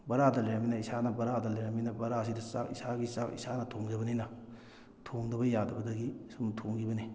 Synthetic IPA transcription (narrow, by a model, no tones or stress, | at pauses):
bɐɾadɐleɾɐminɐisanɐbɐɾadɐleɾɐminɐbɐɾas̬idɐsa̰kḭsaɡisakḭsanɐtʰoŋd͡ʒɐbɐninɐ | tʰoŋdɐbɐjadɐbɐdɐɡisumtʰoŋɡibɐni